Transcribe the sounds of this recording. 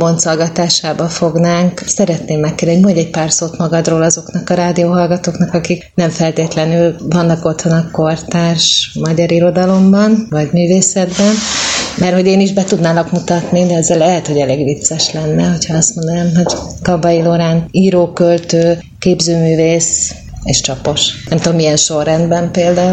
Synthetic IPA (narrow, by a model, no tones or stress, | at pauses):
bo̞nt̪solɡɒt̪aːʃaːbɒfoɡnaːŋksɛɾɛt̪neːmːɛkːeːd̪ɛoɲmɒɟɛc̚paːrsoːt̪mɒɡɒd̪roːlɒzo̞knɒkɒɾaːd̪ioːɦɒlɡɒt̪oːknɒkɒkiknɛɱfɛlt̪eːt̪lɛnylvɒnːɒko̞t̪ʋonɒko̞rt̪aːʃmɒɟɒɾiɾo̞d̪ɒlo̞mbɒnvɒɟmyːveːsɛd̪bɛnmɛrho̞ɟeːniʒbɛt̪ud̪naːlɒkmut̪ɒt̪nid̪ɛɛzːɛlɛɦɛt̪hoɟɛleːɡʋit̪sɛʃlɛnːɛɦo̞cʰhɒɒst̪mond̪onaːmɦoɟkɒbɒjiloɾaːniːɾoːkølt̪øː | keːbzøːmyːveːs | eːʃt͡ʃɒpo̞ʃnɛmt̪uomːiɛnʃo̞rːɛnd̪bɛmpeːld̪aːu